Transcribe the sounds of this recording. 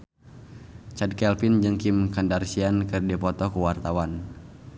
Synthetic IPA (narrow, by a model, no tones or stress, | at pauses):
t͡ʃad̚kɛlfind͡ʒɨŋkimkandarsiankɨrdipɔt̪ɔkuwart̪awan